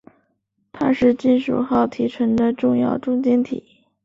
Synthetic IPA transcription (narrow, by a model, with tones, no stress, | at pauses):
t̪ʰa˥ʂɻ̩˥˧t͡ɕi˥˩nʂṵ˨˩xɑ˥˩ʊt̪ʰi˧˥ʈ͡ʂʰə˧˥ŋd̪ə˧ʈ͡ʂʊ˥˧ŋjɑ̰˥˧ʊʈ͡ʂʊ˥ŋt͡ɕjɛ˥nt̪ʰḭ˨˩˦